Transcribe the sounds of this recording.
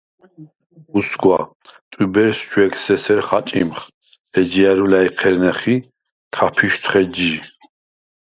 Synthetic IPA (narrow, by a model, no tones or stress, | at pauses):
usɡwa̰ | t̪ʼubɛɾst͡ʃwɛksɛsɛɾχat͡ʃʼimχ | ɛd͡ʒiaɾulaiqʰɛɾnɛχi | t̪ʰapʰiʃt̪ʰχɛd͡ʒi